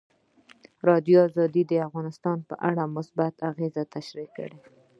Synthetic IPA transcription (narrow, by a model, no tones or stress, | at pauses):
ɾɑd̪joɑzɑd̪id̪əafɣɑnɪst̪ɑnpə̰ʔaɽamʊsbat̪ʰaɣezat̪aʃɾikːə̰ɽe